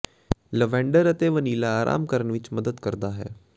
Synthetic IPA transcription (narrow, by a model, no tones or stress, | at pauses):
ləʋɛ̃ːɳɖəɾət̪eːʋəniːlaːɾʔa̰ːmkəɾəɳʋɪt͡ʃməd̪əd̪kəɾd̪aːɦɛ̰ː